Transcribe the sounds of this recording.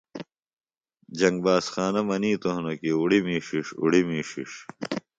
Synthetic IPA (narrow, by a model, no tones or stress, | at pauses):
d͡ʑɐŋɡ̚baːsxaːnɐmɐniːt̪ohnokiuɽimiːʂiʂṵɽimiːʂiʂ